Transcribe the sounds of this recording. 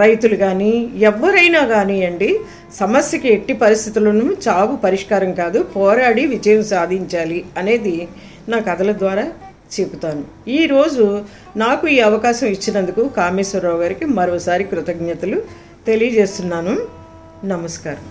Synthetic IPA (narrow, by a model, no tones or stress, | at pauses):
ɾɐjt̪uluɡaːniɛʋːɐɾɐjnaːɡaːniɐɳɖi | sɐmɐsjɐkieʈːipɐɾist̪ʰit̪ulɐnut͡ʃaːʋupɐɾiʂkaːɾɐmkaːd̪upɔːɾaːɽiʋid͡ʒɐjɐmsaːd̪ʱiɲt͡ʃaːliɐne̞ːd̪i | naːkɐd̪ɐlɐd̪ʋaːɾaː | t͡ʃeput̪aːnu | iːɾo̞ːd͡ʒu | naːkuiːɐʋɐkaːʃɐmit͡ʃːinɐnd̪ukukaːmiːsɐɾːaːwɡaːɾikimɐɾoːsaːɾikɾut̪ɐɡɲɐt̪ɐlu | t̪e̞lijɐd͡ʒe̞ːst̪unːaːnu | nɐmɐskaːɾɐm